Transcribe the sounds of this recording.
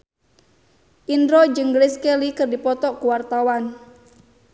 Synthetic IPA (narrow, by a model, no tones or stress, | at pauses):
ʔindɾod͡ʒɨŋɡɾiskelikɨrdipɔt̪ɔkuwart̪awan